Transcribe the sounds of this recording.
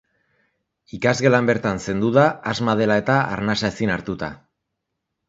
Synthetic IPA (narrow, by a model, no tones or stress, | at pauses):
ikazɣe̞lambe̞ɾt̪anse̞nd̪uðaːzmað̞e̞lae̞t̪aa̰ɾnasaesinaɾt̪ut̪a̰